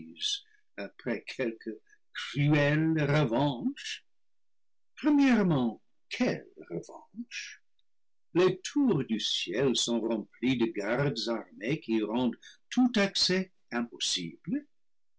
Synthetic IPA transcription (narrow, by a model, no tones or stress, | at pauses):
z | apʁɛkʰɛlkʰə | kʁyɛlʁəvɑ̃ʃ | pʁəmjɛʁmɑ̃ | kʰɛlʁəvɑ̰̃ʃ | letʰuʁd̪ysjɛlsɔ̃ʁɑ̃plid̪əɡaʁd̪əzaʁmekiʁɑ̃d̪tʰut̪aksɛ | ɛ̃pɔsḭblə